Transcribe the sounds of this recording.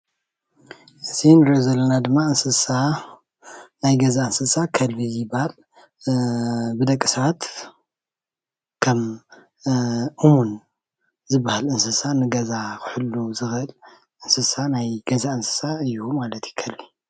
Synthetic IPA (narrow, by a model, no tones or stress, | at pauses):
ʔɨt̪ʰinɨɾozɐlːɐnad̪ɨmːaɨnsɨsa | najɡɐzaɨnsɨsakʰɐlbijɪbːahal | bɨd̪ɐkʼːɨsɐβat̪ | kʰɐm | ʔumun | zɨbːahalɨnsɨsanɨɡɐzakʰɨħɨlːuzɨxɨl | ʔɨnsɨsanajɡɐzaɨnsɨ̥saɨjːumalɐt̪ji̥kʰɐlbi